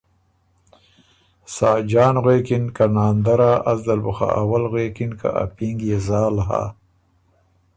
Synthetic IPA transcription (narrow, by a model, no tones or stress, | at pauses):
saːd͡ʒɑːnɣwekinkanaːnd̪aɾaʔazd̪albuxa̰ʔawalɣwekinka̰ʔa̰piŋɡjezaːlɦa̰